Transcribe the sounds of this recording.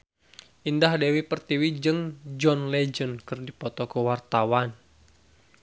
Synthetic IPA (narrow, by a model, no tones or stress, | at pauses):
ʔindahdewipərt̪iwid͡ʒɨŋd͡ʒɔnlɛd͡ʒənkɨrdipɔt̪ɔkəwart̪awan